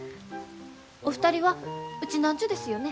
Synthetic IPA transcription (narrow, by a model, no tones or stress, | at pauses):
o̞ɸɯ̟̥t̪aɾʲiβaɯ̟t͡ɕinãɲ̟t͡ɕod̪e̞sɨjo̞ne̞